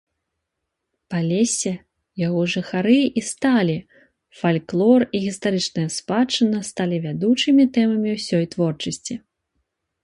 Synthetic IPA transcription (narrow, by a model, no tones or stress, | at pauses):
palʲesʲɛ | jaɣɔʐɨxaɾɨist̪alʲi | falʲklˠɔriɣʲist̪aɾɨt͡ʂnɨjɐspat͡ʂɨnɐst̪alʲivʲad̪ut͡ʂɨmʲit̪ɛmɐmʲiwsʲɔjt̪vɔrt͡ʂɐsʲt͡sʲi